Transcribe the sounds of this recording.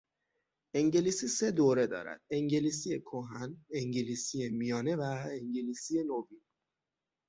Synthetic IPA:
ʔeŋɟeliːsiːse̞d̪oːɾe̞d̪ɒ̰ːɾæ̰d̪̥̚eŋɟeliːsijekʰoɦæneŋɟeliːsijemijɒːne̞væeŋɟeliːsijenovin

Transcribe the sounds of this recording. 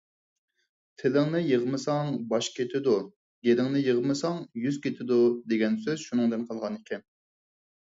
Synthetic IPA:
t̪ʰɪlɪŋnɪjəʁmɨsɑŋbɑʃkʲʰet̪ʰɪd̪u | ɡʲelɪŋnɪjəʁmɨsɑŋjyz̥kʲʰet̪ʰɪd̪ud̪eɡʲɛnsøzʃunɨŋd̪ɨnqʰɑlˠʁɑnɪkʲʰɛn

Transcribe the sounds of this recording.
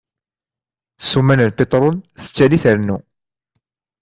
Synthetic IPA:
sumænəlpet̪ˤɾˤonθə̥t͡sːæliθəɾnu

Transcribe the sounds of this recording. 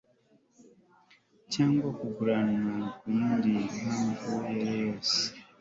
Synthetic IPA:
caːŋɡwakuɡuɾanwakuiːndikamuvujeɾejoːse̥

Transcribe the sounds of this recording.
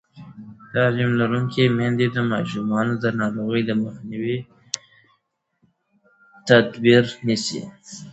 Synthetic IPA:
t̪ɑlimlaɾuŋkimand̪ed̪əmɑʃumɑnod̪ənɑɾoɣəjd̪əmaxniwi | t̪at̪biɾnisḭ

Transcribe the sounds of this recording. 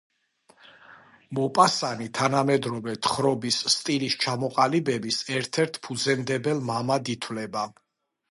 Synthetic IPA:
mɔpʼasanit̪ʰanamɛd̪ɾɔvɛt̪ʰχɾɔbisːt̪ʼilist͡ʃʰamɔqʼalibɛbisɛɾt̪ʰɛɾt̪ʰpʰud̪zɛmd̪ɛbɛlmamad̪it̪ʰwlɛba

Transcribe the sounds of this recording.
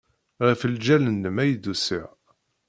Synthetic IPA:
ʁəfəld͡ʒælənːəmæjəd̪usiʁ

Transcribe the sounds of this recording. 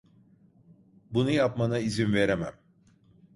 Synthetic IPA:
bunujapmanaizinveɾemæ̰m

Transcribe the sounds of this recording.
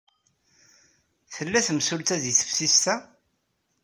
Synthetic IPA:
θəlːæθəmsʊlt̪æðiθə̥fsist̪æ

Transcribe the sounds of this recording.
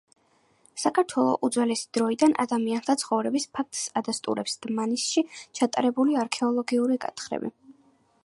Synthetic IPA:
sakʰaɾt̪ʰwɛlˠɔ̰ʔud̪zwɛlɛsi̥d̪̥ɾɔid̪anʔa̰d̪amiant̪ʰat̪sʰχɔvɾɛbispʰak̚t̪ʼsad̪ast̪ʼṵɾɛpsd̪̥manisʃit͡ʃʰat̪ʼaɾɛbuliaɾkʰɛɔlˠɔɡiuɾikʼa̰t̪ʰχɾɛ̰bḭ

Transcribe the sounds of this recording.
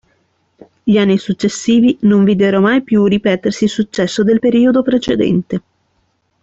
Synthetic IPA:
ʎianːisut͡ʃːesːiːvinoɱviːd̪eɾomajpjuripɛːt̪ersisut͡ʃːɛsːod̪elpeɾiːod̪opɾet͡ʃed̪ɛ̰nt̪e

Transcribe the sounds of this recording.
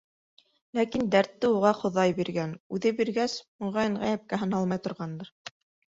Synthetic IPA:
lækind̪æɾt̪ːɘuʁɑχŏðɑjbiɾɡænʉðɘbiɾɡæsmŏʁɑjɘɴʁæjæp̚kæɦɤ̆nɑlˠmɑjt̪ŏɾʁɑnd̪ɤɾ

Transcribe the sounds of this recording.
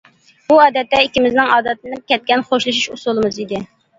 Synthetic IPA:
b̥uɑːd̪ɛt̪ːɛikʲimɪznɪŋɑːd̪ɛt̪nɪp̚kʲɛt̪̚kʲɛnχoʃlˠɨʃ̬iʃusulˠɨmɨzid̪ɪ

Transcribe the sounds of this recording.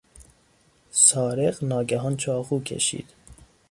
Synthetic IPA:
sɒːɾeɢnɒːɡæɦɒːnt͡ʃʰɒːɣuːkʲʰḛʃḭːd̪̥

